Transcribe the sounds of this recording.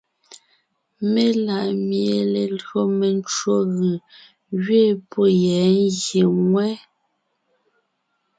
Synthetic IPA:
me˦la˨ʔmje˨le˨lɰo˦me˨n˦t͡ʃwo˦ɣɯ˨ | ɣɥe˦˨po˦˨jɛ˨˦n˦ɣje˨ŋwɛ˦

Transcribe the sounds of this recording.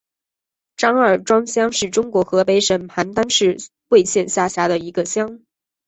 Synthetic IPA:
ʈ͡ʂɑ˥ŋə˞˨˩ʈ͡ʂwɑ˥ŋɕjɑ˥ŋʂɻ̩˥˩ʈ͡ʂʊ˥ŋkwɔ˧˥xɤ˧˥pe˧˥ɪʂə˨˩npʰa˧˥nt̪a˥nʂɻ̩˥˧ | we˥˧ɪɕjɛ˥˧nɕja˥˩ɕja˥d̪ə˨i˧˥ɡə˧ɕjɑ˥ŋ

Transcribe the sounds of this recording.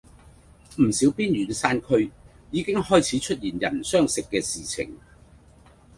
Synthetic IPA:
m̩˨˩siː˨˥wpiː˥njyː˨˩nsaː˥nkʰɵ˥ɥ | jiː˨˧kɪ˥ŋhɔː˥jt͡sʰiː˨˥t͡ʃʰɵ˥t̚jiː˨˩njɐ̰˨˩nsœː˥ŋsɪ˨kːɛː˧siː˨˩t͡sʰɪ̰˨˩ŋ

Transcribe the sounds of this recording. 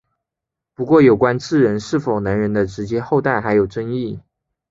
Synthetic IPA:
pu˧˥kwɔ˥˩jo˨˩ʊkwa˥nt͡sɹ̩˥˩ɻə˧˥nʂɻ̩˥˩fo˨˩ʊna˧˥ŋɻə˧˥nd̪ə˧ʈ͡ʂɻ̩˧˥t͡ɕjɛ˥xo˥˧ʊt̪a˥˩ɪxa˧˥ɪjo˨˩ʊʈ͡ʂə˥ŋi˥˩

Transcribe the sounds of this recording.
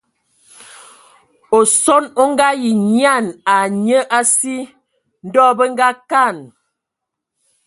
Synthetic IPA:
o˨sɔ˦no˦ŋ˦ɡa˦ji˨ɲ˦a˦˨na˨ɲə˦ʔa˦si˦ | n̩˦dɔ˦bə˦ŋ˦ɡa˦ka˦˨n

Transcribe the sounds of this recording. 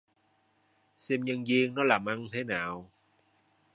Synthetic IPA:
sɛ˧mɲə˧ŋzi˧ənnɔ˨˦laː˨˩mʔa˧nt̪ʰe˨˦naː˨˩w

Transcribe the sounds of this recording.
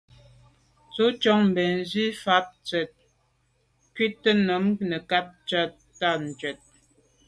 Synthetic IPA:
t͡so˨˦t͡ʃɔ˦ŋm̩˨bɛ˨n˦zi˦fa˦p̚t͡sɥɛ˨t̚ | kɥi˦tːə˦nə˨˦mnə˨ka˦p̚t͡ʃa˦t | tːa˦˨n̩˨d͡ʒɥɛ˨t̚

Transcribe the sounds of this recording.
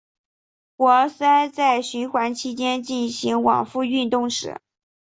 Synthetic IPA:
xwɔ˧˥sa˥ɪt͡sa˥˩ɪɕy˧˥xwa˧˥nt͡ɕʰi˥t͡ɕjɛ˥nt͡ɕi˥˩nɕi˧˥ŋwɑ̰˨˩ŋfu˥˧y˥˧nt̪ʊ˥˩ŋʂɻ̩̰˨˩˦

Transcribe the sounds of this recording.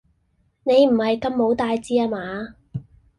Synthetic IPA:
ne˨˧jm̩˨˩hɐ˨jkɐ˧mːo˨˥wt̪aː˧jt͡siː˧aː˧maː˨˧

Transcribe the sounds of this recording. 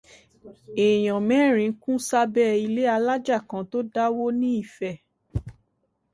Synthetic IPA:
e˨j̃ã˨mɛ̃˦˨ɾ̃ĩ˨˦kũ˦sa˦bɛ˦˨i˧le˦a˧la˦d͡ʒa˦˨kã˨˧˦to˦da˦wo˦nĩ˦i˦˨fɛ˨

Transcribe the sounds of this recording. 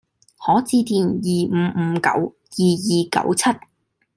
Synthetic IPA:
hɔː˨˥t͡siː˧t̪iː˨˩njiː˨m̩˨˧m̩ː˨˧˥kɐ̰˨˥w | jiː˨jiː˨kɐ̰˨˥wt͡sʰɐ˥t̚

